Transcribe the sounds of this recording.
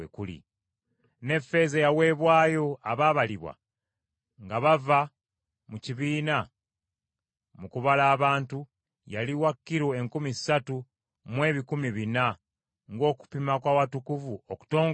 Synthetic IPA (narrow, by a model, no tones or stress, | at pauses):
ekulḭ | ne̞fe̞zejawe̞ːβwaːjo̞aβaːβaliβwa̰ | ŋɡaβava | muciβiːna | mukuβalaːβaːntu | jaliwakːiɾoeŋkumisːatu | mwe̞ːβikumiβina | ŋɡo̞ːku̥pimakwawatukuvuoku̥to̞ːŋ